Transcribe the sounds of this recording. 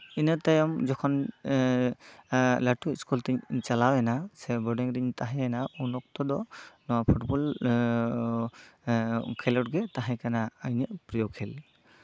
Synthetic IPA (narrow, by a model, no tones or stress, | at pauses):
inət̪ajɔmd͡ʒɔkʰɔn | laʈuiskult̪ɛɲt͡ʃalawɛnasɛbɔɖiŋɾiɲt̪aɦɛɛnaunɔk̚t̪ɔd̪ɔnɔwapʰuʈbɔl | kʰɛlɔʈɡɛt̪aɦajkanaːjnəʔpɾijɔkʰɛl